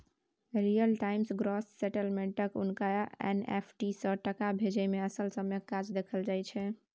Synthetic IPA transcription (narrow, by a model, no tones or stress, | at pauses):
ɾijəlʈaimsɡɾɔsːeʈəlmeɳʈəkṵnkaḛnḛpʰʈisə̃ʈəkabʱed͡ʒɛmeəsəlsəmekad͡ʒd̪ekʰəld͡ʒajt͡ʃʰɛ